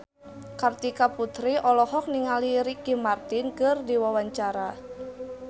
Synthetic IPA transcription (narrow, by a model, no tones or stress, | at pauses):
kart̪ikaput̪ɾiʔɔlɔhɔk̚niŋaliɾikimart̪ɪnkərdiwawaɲt͡ʃaɾa